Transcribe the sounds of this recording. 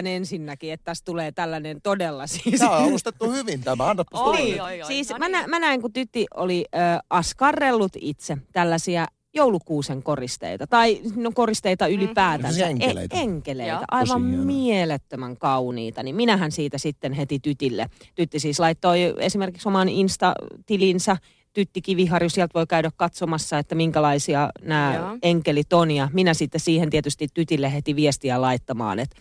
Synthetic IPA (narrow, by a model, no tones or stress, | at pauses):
nensinːækiet̪t̪æst̪uleːt̪ælːænent̪odelːɑsiːslust̪et̪ːuhyʋint̪æmæɑnːɑtposniːsiːsmænæmænæiŋkut̪yt̪ːiʔo̰liøːɑskɑrːelːut̪ḭt̪set̪ælːæsiæ | joulukuːseŋkorist̪ḛit̪ɑt̪ɑisinːoŋkorist̪eit̪ɑylipæːt̪æḛeŋkelḛit̪æ̰ʔɑiʋɑmmielet̪ːømæŋkɑunḭːt̪ɑnimminæhænsiːt̪æsit̪ːenhet̪it̪yt̪ilːḛt̪yt̪ːisiːslɑit̪ːoiḛsimerkiksomɑninst̪ɑ̰t̪ilinsæ | t̪yt̪ːikiʋihɑrjosiɛlt̪ʋoikæyɾækkɑt̪somɑsːɑet̪ːæmiŋkælɑisiɑnæːeŋkelit̪onjɑminæsit̪ːessiːhent̪iet̪yst̪it̪t̪yt̪ilːehet̪iʋiest̪iælɑit̪ːɑmɑ̰ːnet̪